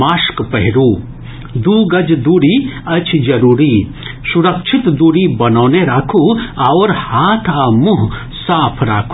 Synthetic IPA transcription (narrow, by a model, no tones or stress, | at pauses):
maːʃkpɐɦɪɾuː | d̪uːɡɐd͡ʒd̪uːɾiɐt͡ʃʰd͡ʒɐɾuːɾi | suɾɐkʃʰit̪d̪uːɽibɐnɔːneɾaːkʰuaʊɾhaːt̪ʰamuɦ | saːpʰɾa̰ːkʰu